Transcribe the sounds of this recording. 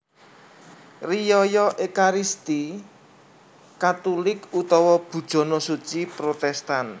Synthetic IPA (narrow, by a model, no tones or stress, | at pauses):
rijɔjɔʔekaɾist̪i | kat̪ulɪkut̪ɔwɔb̥ṳd̥ʒ̥ɔ̤nɔsut͡ʃipɾot̪ɛst̪an